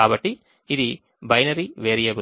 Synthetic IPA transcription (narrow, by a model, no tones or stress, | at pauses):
aːbɐʈːiː | d̪i | bɐjnɐɾiʋeːɾijɐɡu